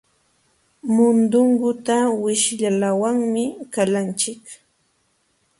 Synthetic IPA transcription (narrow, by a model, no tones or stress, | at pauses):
mʊnd̪ʊŋɡʊt̪awɪʃʎalawaŋmɪkalant͡ʃɪk